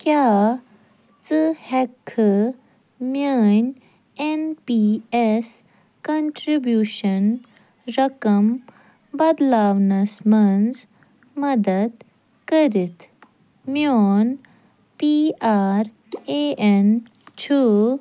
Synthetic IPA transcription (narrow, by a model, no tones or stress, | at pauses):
kja | t͡səhɛkʰːə | mjaɲ | enpies | kəɳʈɾibjuːɕən | ɾəkəm | bɐd̪laʋnasmənd͡z | mɐd̪əd̪ | kəɾit̪ | mjɔn | piaɾ | een | t͡ɕʰu